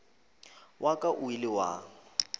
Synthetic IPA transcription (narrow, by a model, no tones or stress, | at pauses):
wʔakʼaʔʊilɪwa̰ːŋ̩